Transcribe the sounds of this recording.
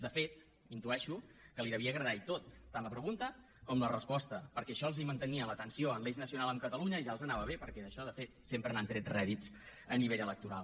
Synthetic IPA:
d̪əfet̪ | int̪uɛʃukəliðəβiəɣɾəðajt̪ot̪ːanləpɾəɣunt̪ə | kɔmlərəspɔst̪əpəɾkɛəʃɔlˠzimənt̪əniələt̪ənsioənleʒnəsiunalˠəmkət̪əluɲəiʒalˠzənaβəβ̞epəɾkɛðəʃɔðəfet̪sempɾənant̪ɾɛt̪rɛðitt͡səniβeʎələk̚t̪uɾa̰lˠ

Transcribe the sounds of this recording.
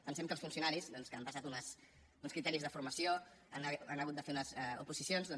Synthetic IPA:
pənsɛmkəlˠsfunsiunaɾizðɔnskəːmpəs̬at̪unəs | unskɾit̪ɛɾizðəfuɾməsijoananəɣut̪̚d̪əfeunəzɛṵpuzisionzðɔn

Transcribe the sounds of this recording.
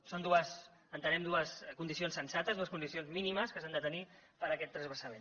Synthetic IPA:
sond̪uəs | ənt̪ənɛmd̪uəskund̪is̬ionsənsat̪əzðuəskunisionzminiməskəsand̪ət̪ənipəɾəkɛt̪ːɾəzβəsəmen

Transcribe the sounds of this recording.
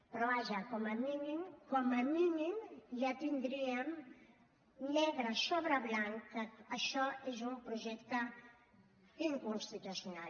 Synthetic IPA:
pɾɔaʒakomaminimkomaminimʎat̪ind̪ɾiam | lɛɣɾasoβɾaβlaŋkaːʃɔezumpɾuʒɛkt̪a | iŋkunst̪it̪usjunal

